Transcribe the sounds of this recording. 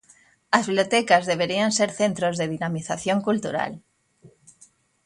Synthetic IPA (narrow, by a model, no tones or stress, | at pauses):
azβiβljot̪ɛkazðeβ̞eɾianseɾθent̪ɾozðeð̞inamiθaθjõŋkult̪ṵɾa̰l